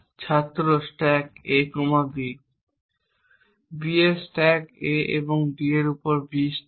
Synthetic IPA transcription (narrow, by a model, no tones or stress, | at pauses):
t͡ɕʰat̪ːɾosʈɛkekomabi | biesʈɛkeʔḛboŋɖieɾupoɾbisʈ